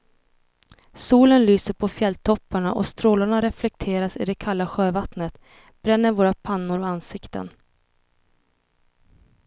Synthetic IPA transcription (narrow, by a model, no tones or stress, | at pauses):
suːlənlyːsəɾpʰɔfjɛlt̪ʰɔpːaɳa̰ʔɔ̰st̪ɾoːlaɳaɾɛflɛk̚t̪ʰeːɾasɪd̪ɛkʰalːaɧøːvat̪nət̪ | b̥ɾɛnːəɾvoːɾapʰanːʊɾɔansɪkt̪ə̰n